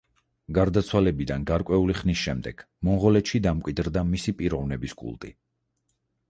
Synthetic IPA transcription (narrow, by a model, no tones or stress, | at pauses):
ɡaɾd̪at̪sʰwalɛbid̪anɡaɾkʼwɛuliχnisʃɛmd̪ɛɡ̥ | mɔnʁɔlɛt̪ʃid̪amkʷʼwid̪ɾd̪amisipʼiɾɔvnɛbiskʼṵlˠt̪ʼḭ